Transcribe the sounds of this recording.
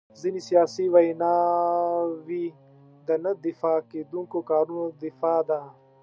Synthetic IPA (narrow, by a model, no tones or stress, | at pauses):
zinisijaːsiwɐjnaː | wi | d̪ɐnɐd̪ifaːkeːd̪ũŋkokaːɾunod̪ifaːd̪a